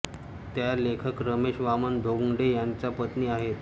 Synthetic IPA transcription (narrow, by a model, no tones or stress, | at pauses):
t̪jalekʰəkɾəmeɕʋamənd̪ʱoɡuŋɖejant͡sapət̪niːaɦet̪